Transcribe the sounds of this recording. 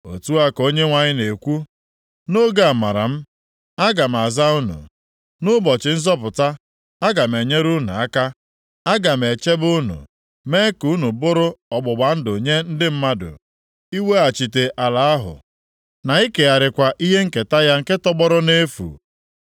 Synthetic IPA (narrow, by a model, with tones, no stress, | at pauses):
o̰˨tu˦a˦ko˦ɲe˦ŋʷa˨ɲɪ˦ne˨kʷu˦ | no˦ɡa˦a˨ma˨ɾa̰˨m̩˦ | a˦ɡa˨m̩˨a˨za˦u˦nṵ˨ | nʊ˦bɔ˨t͡ʃɪ˨n̩˦zɔ˦p̬ʊ˨ta˦ | a˦ɡa˨m̩˨e˨ɲe˦ɾu˦nṵ˨a˦ka˦ | a˦ɡa˨m̩˨e˨t͡ʃe˦bʊ˦nṵ˨ | me˦ku˨˦nu˨bʊ˦ɾʊ˦ɔ˨ɡ͡bʊ˨ɡ͡ba˨n̩˦do˨ɲe˦n̩˦dɪ˦m̩˦ma˦dʊ̰˨ | i˦we˦a˨t͡ʃi˨te˨ʔa˨la˨a˦ɦʊ̰˨ | na˨i˦ke˨a˨ɾɪ˨kʷa˨ʔi˦ɦe˦ŋ̩˦ke˨ta˦ja˦ŋ̩˦ke˦tɔ˦ɡ͡bɔ˦ɾʊ˦ne˦fṵ˨